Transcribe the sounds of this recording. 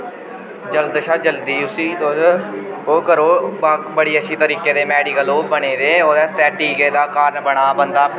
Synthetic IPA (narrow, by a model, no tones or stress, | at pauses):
d͡ʒəld̪ʃaːd͡ʒəld̪iːʊsiːd̪oːɦoːkəɾoːaːbəɽiːəʃʰiːt̪əɾiːkeːd̪eːmɛːɖiːkəloːbəɽ̃eːd̪eːoːd̪ɛːst̪ɛːʈiːɡeːd̪aːkaːɾnbəɽ̃aːbənd̪aː